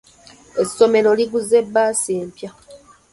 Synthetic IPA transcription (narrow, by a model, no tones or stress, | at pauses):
e̞sːo̞me̞lo̞liɡuze̞bːaːseːmpja